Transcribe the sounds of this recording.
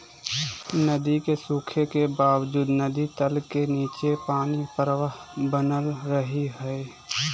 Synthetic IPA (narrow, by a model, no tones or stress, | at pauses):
nəd̪ikesuːkʰekebaːwd͡ʒuːd̪nəd̪it̪əlkeniːt͡ʃepaːnipəɾwəɦbənəlɾəɦiɦɛe